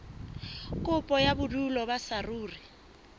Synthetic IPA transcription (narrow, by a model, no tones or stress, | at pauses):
kʼʊpʼɔjabʊdulɔbasaruːri